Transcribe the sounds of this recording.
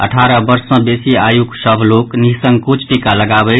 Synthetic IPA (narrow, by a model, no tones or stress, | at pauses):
ə̰ʈʰaɾəbəɾsʌ̃besiajuksəbʱloknisəŋɡkut͡ʃʰʈikaləɡabə